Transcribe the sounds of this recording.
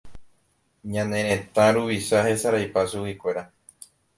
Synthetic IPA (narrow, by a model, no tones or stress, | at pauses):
ɲãnẽ̞ɾẽt̪ãɾuβiʃahe̞saɾajpasuwikʷe̞ɾa